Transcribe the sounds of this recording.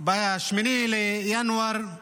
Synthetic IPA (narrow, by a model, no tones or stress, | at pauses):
bɐjaʃminilejanwɐɾ